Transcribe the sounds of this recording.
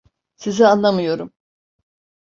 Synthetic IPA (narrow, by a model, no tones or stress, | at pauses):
sizianlˠamɯjo̞ɾum